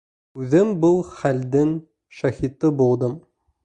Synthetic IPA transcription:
ʉðɘmbɤlˠχæld̪ɘŋ | ʃæhit̪ɤbulˠd̪ɤm

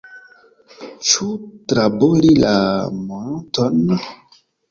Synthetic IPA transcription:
t͡ʃutɾabolilamɔntɔn

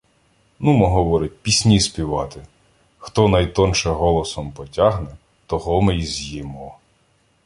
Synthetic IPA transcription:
numɔɦɔʋɔɾɪt̚ʲpʲisʲnʲisʲpʲiʋɑt̪ɪ | xt̪ɔnɐjt̪ɔnʃɛɦɔlˠɔsɔmpɔtʲaɦnɛ | t̪ɔɦɔmejzʲjimɔ

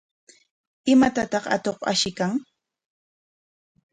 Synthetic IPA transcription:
ɪmat̪at̪ɑχa̰t̪oqa̰ʃɪkaŋ

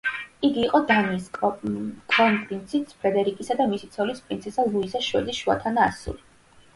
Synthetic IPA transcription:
iɡiːqʼɔd̪an | kʼlɔnpʼɾint̪sʰitspʰɾɛd̪ɛɾikʼisad̪amisit̪sʰɔlispʼɾint̪sʰɛsalˠuizaʃwɛ̰d̪isʃua̰t̪ʰanaːsṵli

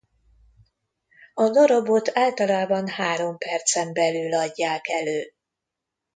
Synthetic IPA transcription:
ɒd̪oɾobot̪ʰaːlt̪ɒlaːbɒnhaːɾo̞mpɛrt̪sɛmbɛlylɒɟːaːkɛløː

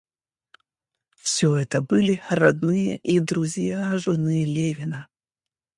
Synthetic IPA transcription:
fsʲɵɛt̪əbɨlʲɪrɐd̪nɨjə̰ʔid̪ɾʊzʲjaʐɨnɨjlʲevʲɪnə

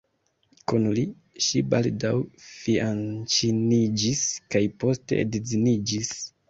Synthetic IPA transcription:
kunli | ʃiba̰ldawfiant͡ʃinid͡ʒiskajpo̞ste̞̰ḛdezinid͡ʒis

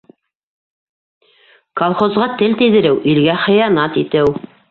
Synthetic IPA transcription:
kolˠχozʁɑt̪ɘlt̪iðɘ̆ɾɘwʔilɡæχɤ̆jɑnɑt̪it̪ɘw

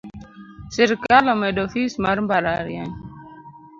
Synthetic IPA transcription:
seɾkalomedofismaɾmbaɾaɾja̰ɲ

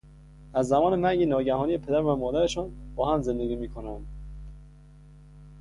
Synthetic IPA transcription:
æzːæmɒːnemæŋɟenɒːɟæhɒːniːepʰe̞d̪æɾvæmɒːd̪æɾeʃɒːnbɒːhæmze̞nd̪eɡiːmiːkʰonæm

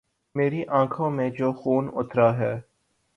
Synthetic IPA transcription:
meːɾiʔãːkʰõmẽd͡ʒoːxuːnʊt̪ɾaɦɛː

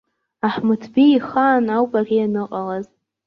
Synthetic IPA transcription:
aħmɨtʰbiːχaːnawpʼarianɨqʼalaz

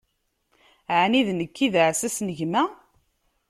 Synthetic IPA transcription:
ʕaniðnəkːiðəʕsæsnəʝmæ

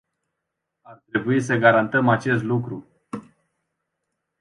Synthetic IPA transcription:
art̪ɾe̞buis̬əɡaɾant̪əmat͡ʃe̞st̪lukɾu

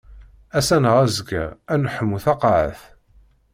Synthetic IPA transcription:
æsænəʁæzəɡæ̰ænħəmːuθɑqɑʕə̰θ

